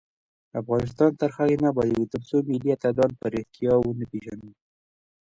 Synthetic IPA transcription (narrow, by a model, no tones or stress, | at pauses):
afɣɑnɪs̬t̪ɑnt̪əɾxaɣinabajawit̪apsomiliat̪ad̪ɑnpaɾeht̪ijɑwənəpeʒanu